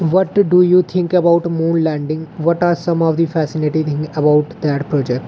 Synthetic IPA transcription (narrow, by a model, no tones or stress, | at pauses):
ʋɔʈɖujuːt̪ʰɪ̃ŋkəbaʊʈmũːnlɛ̃ːɳɖɪ̃ŋʋɔʈaːɾsʌ̃mɔʋd̪ifɛːsɪnɪʈit̪ʰɪ̃ŋəbaʊʈd̪ɛʈpɾɔːd͡ʒɛk̚ʈ